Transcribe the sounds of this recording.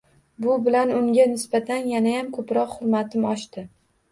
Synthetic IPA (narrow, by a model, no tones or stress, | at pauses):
bʊbɪlanʊŋɡʲanɪsbat̪ʰanjanajamkʰɵpɾɒqhʊɾmat̪ʰɪmɒʃt̪ɪ